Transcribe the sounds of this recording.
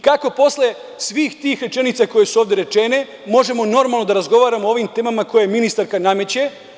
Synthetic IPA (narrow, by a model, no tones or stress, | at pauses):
kako̞po̞sle̞ | sʋiːxt̪iːxɾe̞t͡ʃe̞nit̪sako̞je̞suoːʋd̪e̞ɾe̞t͡ʃene̞ | mo̞ʒe̞mo̞no̞ɾmalˠno̞d̪aɾazɡo̞ʋaːɾamoo̞ʋimt̪e̞ːmamako̞jeminist̪aɾkaname̞t͡ɕe